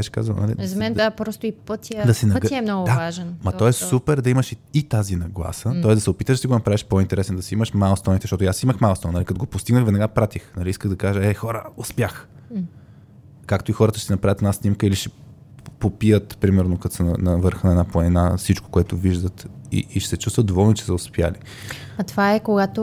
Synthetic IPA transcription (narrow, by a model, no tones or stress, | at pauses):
bɛʃɛ̥ka̰zvəlˠnɐ̰lḭzɐmɛnd̪d̪apɾɔst̪ʊipət̪ʲəd̪ɐsɛnɐɡɛmnɔɡʊd̪avaʒɛnmɐt̪ɔɛsupɛɾd̪ɐiməʃiit̪azinɐɡlˠa̰sət̪ɔɛzd̪ɐsɛopit̪əʃd̪ɐsiɡonɐpɾavɛʃpoint̪ɛɾɛsɛnd̪ɐsiiməʃmalˠst̪ɔnit̪ɛ̥ʃt̪ɔt̪jasiməxmalˠst̪ɔnnalikɐt̪oɡopʊst̪iɡnəxvɛd̪nɛɡapɾat̪ixnɐliiskəɣd̪ɐkaʒəɛxɔɾəospjax | kakt̪oixɔɾət̪əʃɛsɛnɐpɾavət̪ɛd̪nasnʲimkəiliʃɛ | popijət̪pɾimɛɾnokɐt̪sənɐnɐvɤɾxnəɛd̪apoɛinafsit͡ʃko̥koɛt̪ʊviʒd̪ət̪ḭʔːʃsɛt͡ʃust̪vət̪d̪ovɔlˠnot͡ʃɛ̥sɛʊspja̰li | ɐt̪vaɛkoɡat̪o